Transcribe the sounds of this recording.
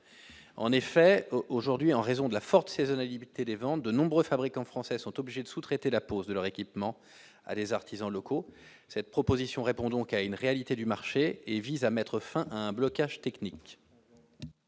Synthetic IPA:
ɑ̰̃nefɛoʒuʁd̪ɥiɑ̃ʁezɔ̃d̪əlafɔʁt̪sezɔnaliit̪ed̪evɑ̃t̪̚d̪ənɔ̃bʁøfabʁikɑ̃fχɑ̃sɛsɔ̃t̪ɔbliʒed̪əsut̪χet̪elapozd̪əlœʁekʲipmɑ̃ | a̰d̪ezaʁt̪ʰizɑ̃lɔkʰo | sɛt̪̚pχɔpozisjɔ̃ʁepɔ̃d̪ɔ̃kaynʁealit̪ed̪ymaʁʃeevizamɛt̪χəfɛ̃ʔaɛ̃blɔkaʒ̥t̪ɛknik

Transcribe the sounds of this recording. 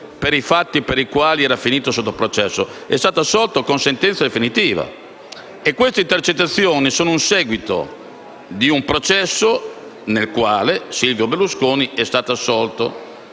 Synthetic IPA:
peɾifat̪ːipeɾikwaːliɛːɾafiniːt̪osot̪ːopɾot͡ʃɛsːoɛ̰st̪aːt̪oasːɔlt̪okonsent̪ɛnt̪sad̪efinit̪iːva̰ | ekːwest̪eint̪ert͡ʃet̪ːat̪sːjoːnisoːnounsɛːɡwit̪o̰ | d̪iumpɾot͡ʃɛsːo | nelkwaːlesilvjobelːuskoːniɛst̪aːt̪oasːɔlt̪o̰

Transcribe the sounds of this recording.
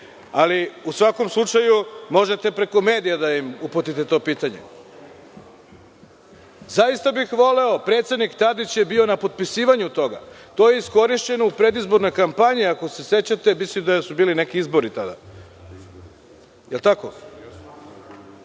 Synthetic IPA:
aliusʋako̞mslˠut͡ʃajumo̞ʒet̪e̞pɾe̞ko̞meːd̪ijad̪aimuput̪it̪e̞t̪o̞ːpiːt̪aɲḛ | zajist̪abixʋo̞le̞o̞pɾe̞t̪se̞d̪nikt̪ad̪it͡ɕje̞bio̞napo̞d̪̚pisiːʋaɲut̪o̞ɡa̰ | t̪o̞je̞isko̞ɾiʃt͡ɕe̞noupɾe̞d̪izbo̞ɾno̞jkampaɲiako̞se̞se̞t͡ɕat̪e̞mislimd̪asubiːlinekiizbo̞ɾit̪ad̪a̰ | jelˠt̪ako̰

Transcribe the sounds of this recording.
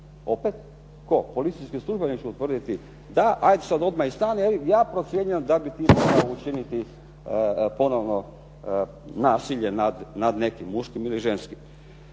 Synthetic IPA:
o̞pet̪ | ko̞po̞lit̪sijskislˠuʒbenit͡ʃuut̪ʋr̩d̪it̪i | d̪aʔajd̪esad̪o̞d̪maist̪aːnielijaːpɾo̞t̪sjeɲuemd̪abit̪iːmo̞ɡaout͡ʃinit̪i | po̞no̞ʋno | naːsiʎenad̪nad̪ne̞kimːuʃkimiliʒenskim

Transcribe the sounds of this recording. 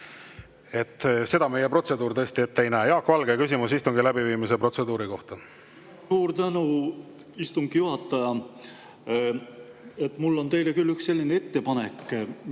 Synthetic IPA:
e̞t̪ːˑse̞d̪̥ɑme̞jepro̞t̪se̞d̪uːɾt̪ɤːsʲt̪ie̞t̪ːe̞jnæejɑːkːvɑlɡ̥ekys̬ʲimusist̪uŋɡ̥ilæbiviːmise̞pro̞t̪se̞d̪uːɾiko̞ht̪ɑ | uːɾt̪ænu | ist̪uŋɡjuhɑt̪ːˑɑjɑ | et̪ːmulːont̪e̞jlekylːyksse̞lʲːinee̞t̪ːe̞pɑne̞kː

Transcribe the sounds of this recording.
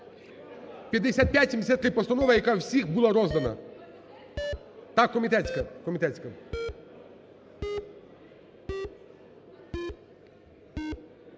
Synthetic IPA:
pʲjɐd̪esʲat̪̚pʲjatʲsʲɪmʲesʲat̪kɪpɔst̪ɐnɔʋɐjɐkawsʲixbulˠaɾɔzd̪ɐnɐ̰ | t̪akːɔmʲit̪ɛt̪ʲsʲkɐkɔmʲit̪ɛt̪ʲsʲkɐ

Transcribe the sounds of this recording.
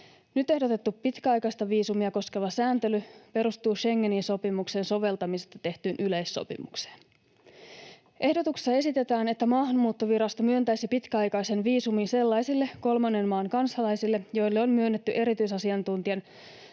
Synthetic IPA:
nyt̪e̞hdot̪e̞t̪ːupːit̪kæɑjkɑist̪ɑʋiːsumiɑko̞skeʋɑsæːnt̪elype̞ɾust̪uːʃe̞ŋːeninso̞pimuksenso̞ʋe̞lt̪ɑmisest̪ɑt̪e̞ht̪yːnʔyle̞jsːo̰pḭmukse̥ːn | ʔe̞hdot̪ukse̥sːɑe̞sit̪e̞t̪æːne̞t̪ːæmɑːɦɑnmuːt̪ːoʋiɾɑst̪omyønt̪æjsipit̪kæɑjkɑjsenʋiːsuminse̞lːɑjsilːe̞ko̞lmɑnːe̞nmɑːŋkɑnsɑlɑjsilːejo̞jlːeonmyønːet̪ːyʔe̞ɾit̪yisɑsiɑnt̪unt̪iɑn

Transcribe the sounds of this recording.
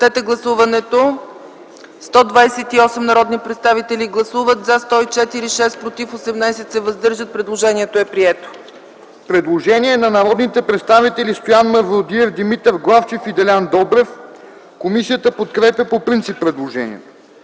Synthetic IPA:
t̪ɛt̪ɛɡlˠɐsuvɐnɛt̪o | st̪ɔd̪vajsɛt̪iɔsɛmnɐɾɔd̪nipɾɛt̪st̪avit̪ɛlʲiɡlˠɐsuvət̪zast̪ɔit͡ʃɛt̪iɾiʃɛst̪pɾot̪ifosɛmnajsɛt̪sɛvɐzd̪ɤɾʒət̪̚pɾɛd̪lˠoʒɛniɛt̪oɛpɾiɛt̪o̥ | pɾɛd̪lˠoʒɛnʲiɛnɐnɐɾɔd̪nit̪ɛpɾɛt̪st̪avit̪ɛlʲist̪ojanmɐɾvˠod̪iɛfd̪imit̪əfɡlˠaft͡ʃɛfid̪ɛlʲand̪ɔbɾɛf | komisijət̪əpot̪kɾɛpʲjəpopɾint̪sipːɾɛd̪lˠoʒɛ̰nʲḭɛt̪o

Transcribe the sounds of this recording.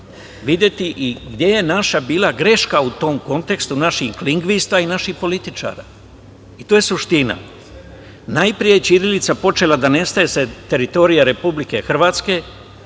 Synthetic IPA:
ʋid̪ʲje̞t̪iʔiɡd̪je̞je̞naʃabiːlˠaɡɾe̞ʃkaut̪o̞ːmko̞nt̪e̞kst̪unaʃikliŋɡʋist̪ainaʃixpo̞lit̪it͡ʃa̰ːɾa̰ | it̪oːje̞suʃt̪ina̰ | najpɾijet͡ʃiɾilit̪sapo̞t͡ʃe̞lad̪ane̞st̪aje̞set̪e̞ɾit̪o̞ɾijaɾe̞publike̞xr̩ʋaːt̪ske̞

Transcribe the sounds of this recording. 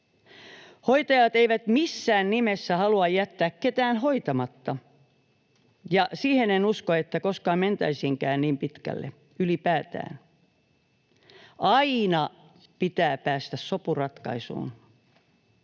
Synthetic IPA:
hoit̪ɑjɑt̪eiʋæt̪misːæːnnimesːæhɑluɑjjæt̪ːæːkket̪æːnho̞it̪ɑmɑt̪ːɑ | jɑsiːhenenuskoet̪ːækoskɑːment̪æisiŋkæːnniːmpit̪kæ̰lːḛ | ylipæːt̪æ̰ːn | ʔɑinɑ | pit̪æːpæːst̪æssopurɑt̪kɑ̰isṵːn

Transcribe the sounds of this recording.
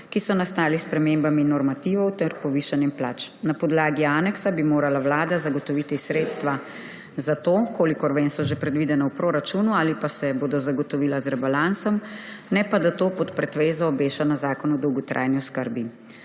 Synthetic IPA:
kisɔnast̪aːlispɾɛmembaminːɔɾmat̪iːʋɔwt̪ɛɾpɔʋiːʃanɛmplaːt͡ʃnapɔd̪laːɡiaːnɛksabimoːɾalawlaːd̪azaɡɔt̪ɔʋiːt̪isɾeːt̪st̪ʋa | zat̪oːkoːlikɔɾʋeːnsɔʒepɾɛd̪ʋid̪ɛnawpɾoːɾat͡ʃunuaːlipasɛboːd̪ɔzaɡɔt̪ɔʋiːlazɾɛbalansɔmnɛpad̪at̪oːpɔt̪pɾɛt̪ʋeːzɔːbeːʃanazaːkɔnɔd̪ɔwɡɔt̪ɾʔa̰ːjniɔskəɾbi

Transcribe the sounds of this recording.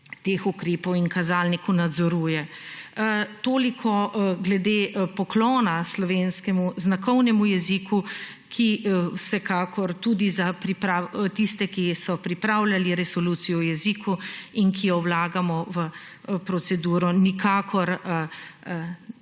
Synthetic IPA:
t̪eːxukɾeːpɔwiŋkazaːlnikunad̪zɔɾuːjɛ | t̪oːlikʰɔɡlɛd̪eːpɔklɔːnaslɔʋeːnskɛmuznakɔwnɛmujɛziku | kʰiwsɛkaːkɔɾt̪ud̪izapɾipɾat̪ist̪ɛkisɔpɾipɾaːwlʲaliɾɛsɔluːt̪sijɔwjɛziːkʰuinkijɔwlaːɡamɔʋə | pɾɔt̪sɛd̪uːɾɔnikaːkʰɔɾ

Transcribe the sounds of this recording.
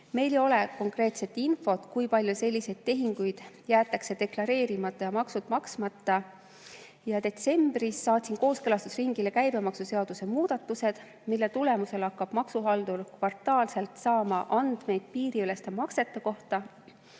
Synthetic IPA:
me̞jlejo̞le̞ko̞ŋkre̞ːt̪se̞t̪ːˑinfo̞t̪kujpɑlʲjuse̞lʲːise̞jd̪̥t̪ːe̞ɦiŋɡ̥ujd̪̥ | jæːt̪ˑːɑkse̞d̪e̞klɑɾe̞ːɾimɑt̪ːˑɑjɑmɑksut̪mɑksmɑt̪ˑːɑ | jɑd̪e̞t̪se̞mb̥risːɑːt̪ʲsinko̞ːskelɑst̪usriŋɡ̥ilekæjbe̞mɑksuse̞ɑd̪̥use̞muːd̪̥ɑt̪ːuse̞d̪̥ | milːet̪ule̞muse̞lɑkːɑb̥mɑksuɦɑld̪̥ulkvɑrt̪ˑɑːlse̞lt̪sɑːmɑʔɑnd̪̥me̞jd̪̥̚piːɾiyle̞st̪emɑkse̞t̪ːˑeko̞ht̪ɑ

